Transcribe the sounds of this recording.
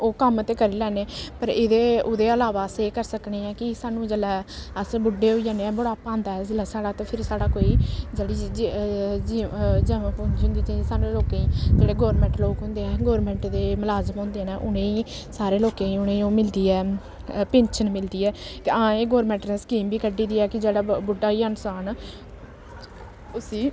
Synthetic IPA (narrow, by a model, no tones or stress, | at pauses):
oːkəmt̪eːkəɾiːlɛːneːpəɾɪd̪eːʊd̪eːəlaːʋaːseːkəɾsəkneːɛ̃ːkɪsaːnũːd͡ʒeːlɛːəsbʊɖeːɦoid͡ʒãːneɛ̃ːbəɽaːpãːnd̪aːɛːzəlaːsaːɽaːt̪ãːpʰɪɾsaːɽaːkoːiːd͡ʒeːɽiːd͡ʒd͡ʒid͡ʒəːãːpoiɦʊ̃nd̪iːd͡ʒesaːnũːloːkẽːĩːd͡ʒeːɽeːɡoːɾmɛ̃ːɳʈloːkɦʊ̃nd̪eːɛ̃ːɡoːɾmɛ̃ːɳʈd̪eːməlaːzəmɦõːnd̪eɛːnɛ̃ːʔʊnẽːĩː | saːɾeːloːkẽːĩːʊnẽːõːmɪld̪iːɛː | pẽːɲt͡ʃʰənmɪld̪iːɛːkɪãːeːɡoːɾmɛ̃ːɳʈneːsə̥kiːmbiːkəɖiːd̪iːɛːkɪd͡ʒeːɽaːbʊɖaːiːansaːn | ʊsiː